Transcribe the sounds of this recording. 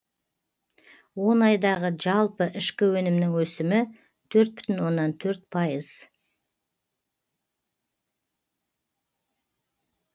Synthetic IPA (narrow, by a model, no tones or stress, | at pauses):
wo̞nɑjd̪ɑʁəʒɑlˠpəʔɪʃkʲɪwɵnɪmnɪŋwɵsɪmɪ | t̪ʰɵɾt̪̚bʏ̥t̪ɪnwo̞nːɑnt̪ʰɵɾt̪pʰɑjəz̥